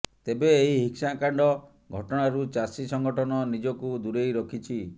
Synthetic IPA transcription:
t̪ebeeɦiɦiksakaɳɖɔ | ɡʱɔʈɔɽ̃aɾut͡ʃasisɔŋɡɔʈʰɔnɔnid͡ʒɔkud̪uɾejɾɔkʰit͡ʃʰi

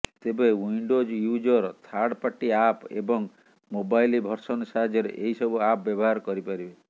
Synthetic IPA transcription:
t̪ebewiɳɖod͡ʒjud͡ʒɔɾt̪ʰaɽpaʈːiapḛbɔŋ | mobajlibʱɔɾsɔnsaɦad͡ʒɔɾḛʔeɦisɔbuap̚bjɔbɔɦaɾkɔɾipaɾibe

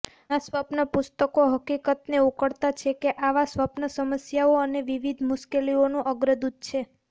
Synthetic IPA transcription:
asʋapnəpʊst̪əkoɦəkikət̪neukəɽt̪at͡ʃʰekeʔaʋasʋapnəsəməsjaoəneʋiʋid̪ʱmʊʃkelionũʔəɡɾəd̪ud̪̚ʱt͡ʃʰe

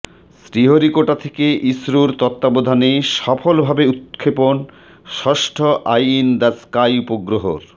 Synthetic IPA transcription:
sɾiɦoɾikoʈat̪ʰekeʔisɾuɾt̪ɔt̪ːabod̪ʱaneʃɔfolbʱabeut̪kʰːepon | ʃɔʃʈʰoʔajind̪askajupoɡɾoɦo̰ɾ

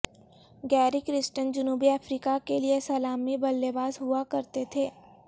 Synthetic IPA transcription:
ɡɛːɾikɾɪsʈənd͡ʒʊnuːbiɛːfɾiːkakeliesɐlaːmibɐlːebaːzɦʊakɐɾt̪et̪ʰeː

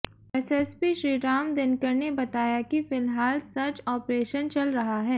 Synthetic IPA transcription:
ɛsɛspiʃɾiːɾaːmd̪ɪnkəɾnebɐt̪aːjakifɪlɦaːlsɐɾt͡ʃɔːpɾeːʃənt͡ʃɐlɾɐɦaɦɛː

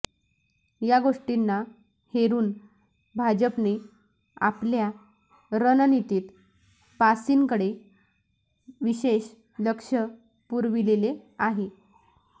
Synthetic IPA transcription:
jaɡoʂʈinːa | heɾuːn | bʱad͡ʑəpne | a̰plja | ɾənənit̪iːt̪ | pasiːŋkəɽe | ʋiɕeɕ | ləkʂə | puɾʋileleaɦe

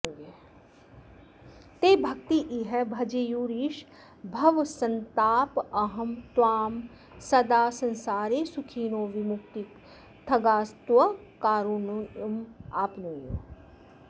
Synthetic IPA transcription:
ɡe | t̪eːbʱɐk̚t̪iʔiɦɛbʱɐd͡ʒejuːɾiːʃ | bʱɐʋsɐnt̪aːpɐɦɐmt̪waːm | sɐd̪aːsɐ̃nsaːɾeːsukʰiːnõːʋɪmʊkt̪i | t̪ʰɐɡaːst̪ʋɐkaːɾunmaːpnuːjoː

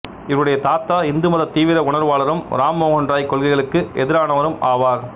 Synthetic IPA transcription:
ɪʋɯɽɐjɐt̪aːt̪ːaːɪnd̪ɯmɐðɐt̪ːiːʋɪɾɐʊɳɐɾʋaːɭɐɾɯmɾaːmːoːɣɔndraːjkːɔɭɣɪɣɐɭɯkːɯʔɛðɪɾaːɳɐʋɐɾɯmaːʋaːɾ

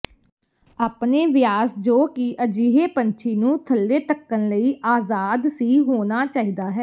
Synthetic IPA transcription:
aːpneːʋɪjaːsd͡ʒoːkɪʔəd͡ʒiːɦeːpənt͡ʃʰiːnũːt̪ʰəlːeːt̪əkːənləiːʔaːzaːd̪siːɦoːnaːt͡ʃaːɦiːd̪aːɦɛː

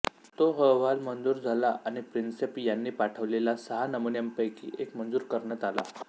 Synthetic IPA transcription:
t̪oɦəʋalmənd͡zuːɾd͡zʱalaʔañipɾinsepjanːiːpaʈʰəʋlelasəɦanəmunjampəjkḭːʔekmənd͡zuːɾkəɾɳjat̪ala̰

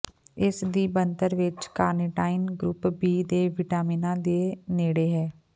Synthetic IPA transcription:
ɪsd̪iːbənt̪əɾʋɪt͡ʃkaːɾnɪʈaːɪnɡɾʊpbiːd̪eːʋɪʈaːmiːnãːd̪eːneːɽeːɦɛː

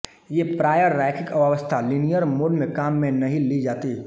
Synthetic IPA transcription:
jeːpɾaːjəɾːaːɪkʰɪkʋaʋəst̪ʰalinijəɾmoːɖmẽkaːmːẽnɐɦĩlid͡ʒaːt̪i

